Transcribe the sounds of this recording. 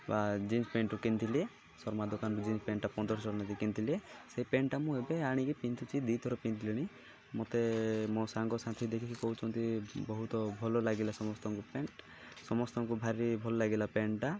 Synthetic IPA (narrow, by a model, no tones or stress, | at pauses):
bad͡ʒind͡ʒpeɳʈukint̪ʰilie | sɔɾmad̪ɔkanɔɾud͡ʒind͡ʒpeɳʈapɔnd̪ɔɾɔt͡ʃɔɽɔnad̪ikint̪ʰilieseɦipeɳʈamũebeaɽ̃ikipint̪ut͡ʃʰid̪it̪ʰɔɾɔpint̪ʰiliɽ̃i | mot̪emosaŋɡɔsat̪ʰid̪ekʰikʰikɔɦut͡ʃʰɔnt̪ʰibɔɦut̪ɔbʱɔlɔlaɡilasɔmɔst̪ɔŋkupeɳʈ | sɔmɔst̪ɔŋkubʱaɾibʱɔlɔlaɡilapeɳʈa